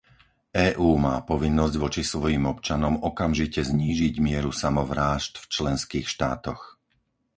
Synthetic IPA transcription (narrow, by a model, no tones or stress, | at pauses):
ʔɛːʔuːmaːpɔʋinːɔzɟʋɔt͡ʃisʋɔjimɔpt͡ʃanɔmɔkamʒicɛzɲiːʒiɟmɪɛɾusamɔʋɾaːʃt̪ft͡ʃlɛnskiːxʃt̪a̰ːt̪ɔx